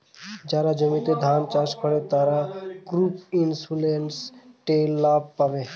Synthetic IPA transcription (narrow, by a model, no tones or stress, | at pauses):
d͡ʒaːɾad͡ʒəmĩt̪ed̪ʱaːnt͡ʃaːskʰəɽet̪aːɾakɾuːpinsulensʈeːlːaːb̚paʋe